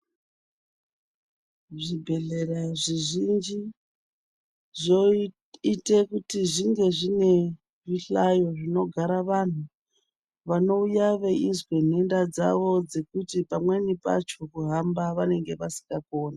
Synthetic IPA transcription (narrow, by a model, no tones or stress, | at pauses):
ʐibʱe̞ɮeraʐiʐind͡ʒi | ʐo | itekutiʐiŋɡe̞ʐine̞ | ʐiɬajo̞ʐino̞ɡʱaɾaʋan̤u | ʋano̞ujaʋe̞ʔizwen̤endad͡za̰ʋo̞d͡ze̞kutipamwe̞nipa̰t͡ʃo̞kuɦambaʋane̞ŋɡe̞ʋasi̥ŋɡakoːna